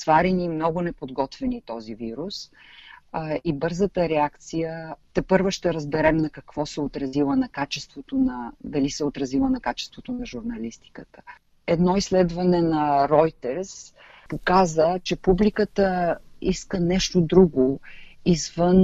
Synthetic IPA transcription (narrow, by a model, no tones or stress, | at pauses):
svaɾɛnimnɔɡʊnɛpod̪ɡɔt̪vɛnit̪ɔziviɾus | ibɤɾzət̪əɾɛakt̪sijət̪ɛpɤɾvɛʃt̪ɛɾɐzbɛɾɛmnɐkɐkv̥ɔsɛot̪ɾɐzilˠənɐkat͡ʃɛst̪vot̪onɐd̪ɐlisɛot̪ɾɐzilˠənɐkat͡ʃɛ̥st̪vot̪onɐʒuɾnɐlist̪i̥kət̪ə̥ | ɛd̪nɔislɛd̪vɐnɛnɐɾɔjt̪ɛɾs | pokazət͡ʃɛpublikət̪əiskənɛʃt̪od̪ɾuɡoizvən